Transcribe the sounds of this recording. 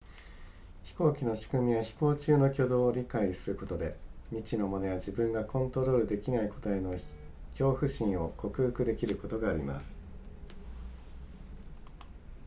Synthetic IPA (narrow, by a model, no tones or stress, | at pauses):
çi̥ko̞ːkʲino̞ɕi̥kɯ̟mʲiβaçi̥ko̞ːt͡ɕɨːno̞kʲo̞d̪o̞ːɾʲikaisɨɾɯ̟ko̞t̪o̞d̪e̞mʲit͡ɕino̞mo̞ne̞βad͡ʑibɯ̟̃ŋɡakõ̞nt̪o̞ɾo̞ɾɯ̟d̪e̞kʲinaiko̞̥t̪aeno̞ | kʲo̞ːɸɯ̟ɕĩɰ̃o̞kʰo̞kɯ̟hɯ̟kɯ̟d̪e̞kʲiɾɯ̟ko̞t̪o̞ɡaːɾʲima̰sɨ̥